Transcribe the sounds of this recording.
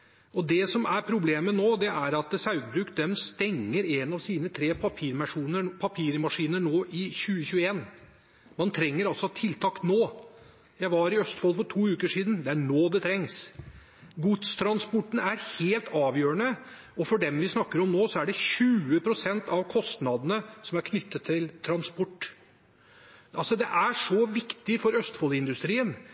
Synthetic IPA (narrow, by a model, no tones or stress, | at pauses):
ʔɔd̪ɛsɔmæɾpʰɾʊbleːmənoːd̪ɛʔæɾɑt̪sɑʉɡ̪̚bɾʉːkd̪ɛmst̪ɛŋːəɾenɑʋsiːnət̪ʰɾeːpʰɑpʰiːɾmʂuːnəpʰɑpʰiːɾmɑʂiːnəɳoːʔɪçʉːəçʉːəeːn | mɑnt̪ʰɾɛŋːəɾɑlsɔt̪ʰɪlt̪ʰɑːknoː | jæɪʋɑɾɪœst̪fɔlfɔʈʰuːʉːkəʂiːd̪n̩d̪ɛæɳoːd̪ɛt̪ʰɾɛŋs | ɡʊd̪st̪ʰɾɑnspɔʈːɳ̩æɾheːlt̪ʰɑːʋjøːɾəɳə | ɔfɔɖɛmʋɪsnɑkːəɾɔmnoːsɔæɖɛɕʉːəpʰɾʊsɛnt̪ɑʋkʰɔst̪nɑd̪ənəsɔmæɾkʰnʏt̪ːət̪ʰːɪlt̪ʰɾɑnspɔʈː | ʔɑlsɔd̪ɛʔæʂɔʋɪkt̪ɪfɔɾœst̪fɔlɪnd̪ʉst̪ɾiːən